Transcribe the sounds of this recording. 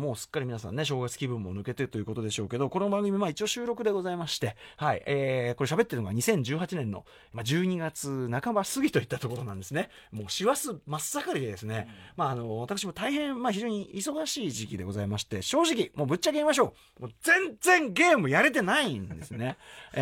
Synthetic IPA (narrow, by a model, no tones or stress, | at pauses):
mo̞ːsɨ̥kːaɾimʲinasã̰nːe̞ɕ̬o̞ːɡat͡sɨ̥kʲibɯ̟̃mːo̞̰nɯ̟ke̞t̪eɾɯ̟t̪o̞ji̟ko̞t̪o̞d̪e̞ɕo̞ːke̞d̪o̞ko̞nobãŋɡɯmʲimait͡ɕio̞ɕɨːɾo̞kɯ̟d̪e̞ɡo̞zaimaɕi̥t̪e̞haḭeːko̞ɾe̞ɕ̬abe̞t̪ːeɾɯ̟no̞ɡa̰ɲ̟isẽ̞ɲ̟d͡ʑɨːɦat͡ɕinẽ̞nːo̞̰ | mad͡ʑɨːɲ̟iɡat͡sɨnakabasɨɡʲit̪o̞it̪ːat̪o̞ko̞ɾo̞nãnd̪e̞sɨne̞ | mo̞ːɕiβasɨmasakaɾʲid̪ed̪e̞sɨne̞maːno̞βat̪akɯ̟ɕ̬imo̞t̪aihẽ̞ɴ̃maçiʑo̞ːɲ̟iiso̞ɡaɕiːʑikʲid̪e̞ɡo̞zaimaɕi̥t̪e̞ɕo̞ːʑik̬ʲimo̞ːbɯ̟t͡ɕːaɡeimaɕ̬o̞ː | moːzẽ̞nd͡zẽ̞ŋɡe̞ːmɯ̟jaɾe̞t̪e̞naĩnd̪e̞sɨne̞